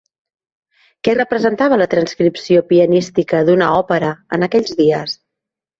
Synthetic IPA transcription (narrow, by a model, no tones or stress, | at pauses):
kɛrəpɾəzənt̪aβ̞ələt̪ɾənskɾipsiopiənist̪ikəðunəɔpəɾəə̰nəkɛʎʲzðiəs